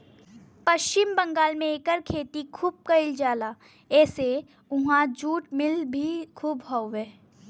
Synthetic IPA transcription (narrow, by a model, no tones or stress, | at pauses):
pɐʃt͡ʃɪmbɐ̃ŋɡaːlmẽeːkəɾkʰeːt̪ikʰuːb̚kɐɪld͡ʒaːlaː | ɛːse | ʊɦãd͡ʒuːʈmɪlbʱikʰuːbɦoeː